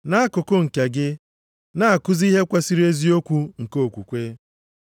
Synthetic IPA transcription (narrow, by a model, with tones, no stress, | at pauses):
na˦a˦kʊ˨kʊ˦ŋ̩˨ke˨ɡɪ˦ | na˦a˨kʊ˦zi˦ɦe˦kʷa˦si˦ɾi˦e˦zi˦o˦kʷu˦ŋ̩˨ko˦o˨kʷu˨kʷe˦